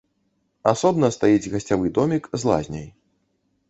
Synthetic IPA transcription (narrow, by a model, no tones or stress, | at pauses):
asɔbnɐst̪ajid͡zʲɣɐsʲt͡sʲavɨd̪ɔmʲikzlˠa̰zʲnʲɐ̰j